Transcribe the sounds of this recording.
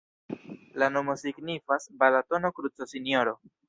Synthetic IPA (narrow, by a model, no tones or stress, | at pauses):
lano̞mo̞siɡnifasbalato̞no̞kɾut͡sosinjo̞ɾo̞